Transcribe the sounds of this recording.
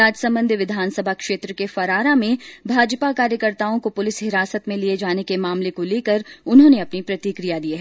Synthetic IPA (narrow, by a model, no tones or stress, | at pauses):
aːd͡ʒsɐ̃mbə̃nd̪ʱʋɪd̪ʱaːnsəbʱakʃeːt̪ɾəkefɐɾaːɾamẽbʱaːd͡ʒpakaːɾjəkəɾt̪aːõkopʊlɪsɦɪɾaːsət̪mẽlied͡ʒaːnekemaːmlekoleːkəɾʊnɦõːneɐpnipɾɐt̪ikɾijad̪ieɦɛ